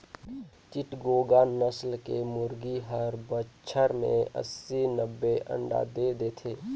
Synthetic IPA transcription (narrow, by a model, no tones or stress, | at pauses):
t͡ʃɪʈɡoːɡanəslkemʊɾɡiɦəɾbət͡ʃʰəɾmḛ̃ə̰sːinəbːeʔə̰̃ɳɖa̰d̪eːd̪eːt̪ʰeː